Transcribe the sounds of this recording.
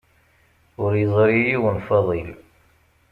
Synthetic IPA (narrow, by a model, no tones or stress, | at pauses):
ʊɾjəzˤɾijiwənfɑðˤil